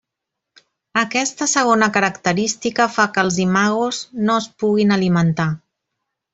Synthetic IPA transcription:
əkɛst̪əsəɣ̞onəkəɾəkt̪əɾist̪ikəfakəlˠzimaɣuznoəspuɣinəlimənt̪a

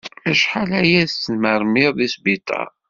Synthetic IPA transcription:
æʃħalæjæðsməɾˤmɪɾðisbit̪ˤɑ̰

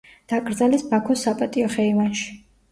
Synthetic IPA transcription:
d̪̥aɡʼɾd̪zalɛsbakʰɔsapʼat̪ʼiɔχɛivanʃi̥

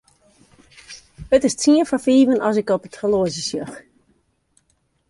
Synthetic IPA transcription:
ətɪstʰiəfafiːvənɔs̬ɪkɔpətʰrəloəzəsjɔx

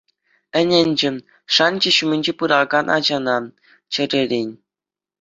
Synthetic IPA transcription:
ɘ̆nʲɘ̆nʲd͡ʑɘ̆m | ʂɑnʲd͡ʑɘ̆ɕumʲɘ̆nʲd͡ʑepɯɾɑɡɑnʔɑ̰d͡ʑɑnɑ | t͡ɕɘ̆rʲeɾʲenʲ

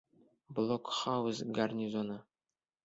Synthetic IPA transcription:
blˠokχɑwusɡɑrnʲizonɑ

